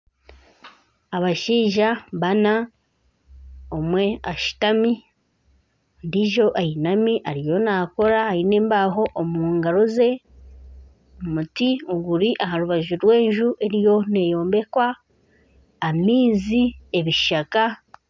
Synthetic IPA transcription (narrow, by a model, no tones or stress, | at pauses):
aβaʃiːʒaβana | omwe̞aʃi̥tami | ndiʒo̞ʔajinamiʔaɾijo̞naːko̞ɾahaine̞ːmbaɦo̞ʔːmuːŋɡaɾo̞ze̞ | omutioɡuɾiʔaɦaɾuβaʒuɾwe̞ːɲʒuʔe̞ɾijo̞ne̞jo̞ːmbe̞kwa | miːzie̞βiʃaka